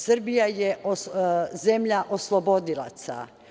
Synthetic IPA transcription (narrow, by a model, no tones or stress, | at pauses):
srbijajeozemʎaʔoslˠobo̞d̪ilˠa̰t̪sa̰